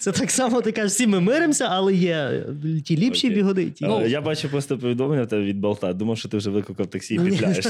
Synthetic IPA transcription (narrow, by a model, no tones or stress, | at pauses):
sɛt̪ɑksɑmɔt̪ɪkɑɪʃsʲimɪmɪɾɪmsʲɐʔɐlˠɛjɛtʲilʲipʃipʲiɦɔd̪ɪtʲijabɑt͡ʃʊpɾɔst̪ɔpɔʋʲid̪ɔmlˠenʲːɐwt̪ɛbɛʋʲid̪bɐlˠt̪ɑd̪umɐfʃt͡ʃɔt̪ɪwʒɛʋʋlˠɪkˠkɐwt̪ɐksʲiilʲajeʃ